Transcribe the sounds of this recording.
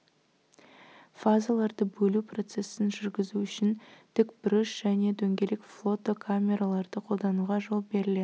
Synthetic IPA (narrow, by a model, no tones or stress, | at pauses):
fazalˠɑɾd̪əbɵlupro̞t̪se̞sɪnʒʏɾɡʲɪzuʏʃɪnt̪ʏkbɾɪʃʒ̥æne̞d̪ɵŋɡʲe̞lekflˠo̞t̪ːokʰamʲe̞ɾalˠɑɾd̪əqʰo̞lˠd̪ɑnuʁɑʒo̞lˠbe̞ɾɪled̪